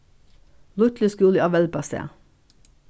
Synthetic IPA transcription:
lʊt̪ləskʉːləɑʋɛlpɑsḛː

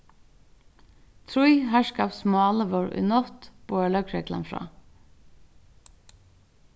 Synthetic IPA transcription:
t̪ʰɾʊʏhæːʃkɑːʋsmɑːləʋoːɹʔʉ̰ːnɔt̪b̥oːæːlœkɹeɡlɑ̰nfɹɑ̰ː

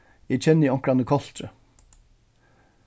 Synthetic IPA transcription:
ɛt͡ɕʰɛnːiɔŋkɾanəkʰɔl̥t̪ɾə̰

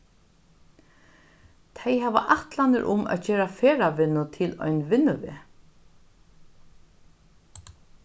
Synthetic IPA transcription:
t̪ʰɛjɦɛva̰ʔaht̪lanɪɾʔʊmæ̰ðd͡ʒeːɾafeːɾaʋɪnːʊt̪ʰɪlɔ̰jnʋɪnːʊʋɛ̰ː

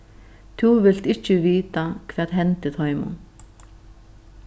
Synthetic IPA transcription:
t̪ʰuvɪl̥t̪ɪhcːɪviːt̪akʰvɛːtɦɛnt̪ɪt̪ʰɔːɥmʊ̰n

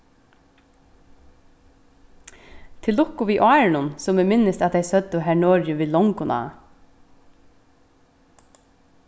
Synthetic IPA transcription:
t̪ʰɪlːʊkʊʋiːʔɑːɹɪnʊnsɔmɛmɪnːɪst̪at̪d̪ɛɪsœt̪ːʊɦæɹɳɔːɹjəʋiːlɔŋkʊnʔa̰ː

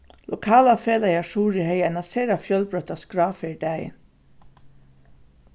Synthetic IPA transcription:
lʊkʰɑːlɑfeːlæɪɑʃuːɹiːhœʏɛnɑseːɾɑfjœlbɹœt̪ɑskɹɑːfeɖæə̰n

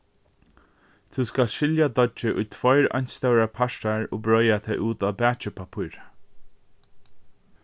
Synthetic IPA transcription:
t̪ʰuskalʃɪljad̪ɔt͡ʃd͡ʒɪʔʊjt̪ʰvɔjɾa̰ɲ̥st̪awɹapʰaʃʈaɹɔ̰ːbɹɔjat̪ʰɛjʔuːt̪aːbɛːt͡ʃɪpʰapʰʊɹ

